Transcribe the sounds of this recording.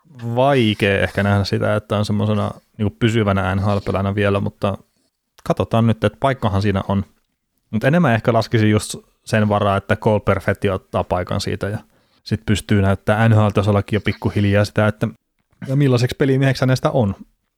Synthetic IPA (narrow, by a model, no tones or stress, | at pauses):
ʋɑikeːʔḛhkænæhnæssit̪æ̰et̪ːæonsemːosenɑ̰niːŋkuppysyʋænæænhɑlpelænæʋielæmut̪ːɑ | kɑt̪ot̪ɑːnnyt̪ːet̪pɑikːɑhɑnsiːnæ̰ʔon | mut̪enemːæehkælɑskisijjust̪ | senʋɑrɑːet̪ːækoulperfekt̪ːiot̪ːɑ̰ːpɑikɑ̰nsḭːt̪æjɑ | sit̪pyst̪yːnæyt̪ːæːænhɑːlt̪ɑsolːɑkːijjopikːuhiljɑːsi̥t̪æet̪ːæ | jɑmilːɑsekspelimiehekshænːesit̪æ̰ʔon